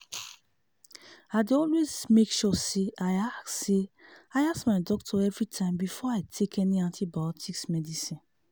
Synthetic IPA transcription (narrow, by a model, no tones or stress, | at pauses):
aɪdeɔlwezmekʃɔseaɪasːeaɪasmaɪdɔktʰɔɛvɹitʰãɪ̃mbifɔaɪtʰekʰɛniãntʰibaɔtʰiksmɛdisĩn